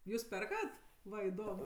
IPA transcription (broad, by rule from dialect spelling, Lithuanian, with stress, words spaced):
ˈjuːs ˈpʲɛrkɐt ˈʋɐ ɪˈdoːm